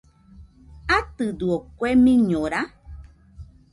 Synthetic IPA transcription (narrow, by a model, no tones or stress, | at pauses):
at̪ɨd̪uokwemĩɲõɾa